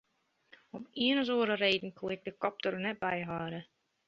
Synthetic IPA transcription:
ɔpiənəz̬oəɾəɾeːdn̩kʰolˠɛk̚dəkɔp̚tərnɛt̚bɛjɦaːɾə

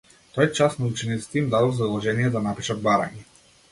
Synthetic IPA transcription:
t̪ɔjɛt͡ʃasnɔut͡ʃɛnit̪sɛ̥t̪iimd̪ad̪ɔzaulˠɔʒɛnijɛd̪anapiʃad̪̚baɾa̰ɲɛ

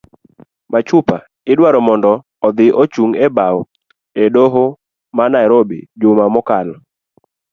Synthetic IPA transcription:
mat͡ʃʊpa̰ | ɪdwaɾɔmɔndɔː | d̪ɪʔot͡ʃuŋɛbaw | edoɦo | manaɛɾobḭd͡ʒʊmamɔkalɔ

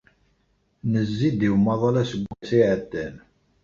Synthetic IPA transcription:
nəzːid̪iwmɑðˤɑlæsəɡʷːæsiʕət̪ːæn

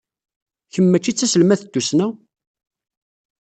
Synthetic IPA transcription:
çəmːæt͡ʃːit͡sːæsəlmæθəd̪̥ːusnæ

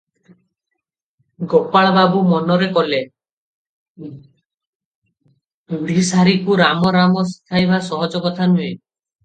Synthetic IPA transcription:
ɡopaɭɔbabumɔnɔɾekɔle | uɽ̤isaɾikuɾamɔɾamɔsi̥kʰajbasɔɦɔd͡ʒɔkɔt̪ʰanue

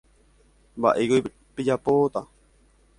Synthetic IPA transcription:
ba̰ʔeɡoj | ped͡ʒapot̪a

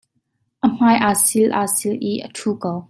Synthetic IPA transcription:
ʔəm̥aːjʔaːsilʔa̰ːsilʔiʔə̰t̪ʰuːkow

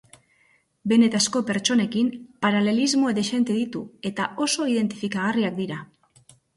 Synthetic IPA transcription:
be̞ne̞t̪asko̞pe̞ɾt͡ʃo̞ne̞kimpaɾale̞lizmo̞ed̪eʃe̞nt̪e̞ðit̪ue̞t̪ao̞so̞iðe̞nt̪i̥fikaɣ̞ariak̚d̪iɾa

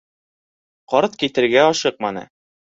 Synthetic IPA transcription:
qɒɾt̪kit̪ɘ̆ɾɡæɒʃɤq̚mɑnɤ̰

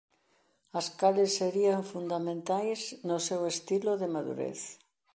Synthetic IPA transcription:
askalesːeɾiaɱfund̪amẽnt̪ajznosewest̪iloðemaðṵɾḛθ

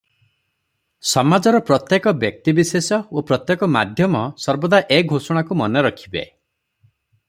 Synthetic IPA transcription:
sɔmad͡ʒɔɾɔpɾɔt̪jekɔbjɔk̚t̪ibisesɔopɾɔt̪jekɔma̰d̪ʱjɔmɔsɔɾbɔd̪aʔeɡʱosɔɽ̃akumɔneɾɔkʰi̥bḛ

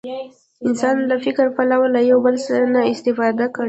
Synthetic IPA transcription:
ɪnsɑnlafɪkɾpalawalajawbəlsaɾanaɪst̪ɪfɑd̪akəɽ

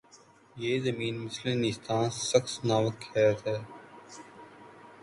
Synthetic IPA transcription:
jeːzəmiːnmɪslẽnɪst̪ãːnsəxsnaːʋəkʰɛːt̪ɦɛː

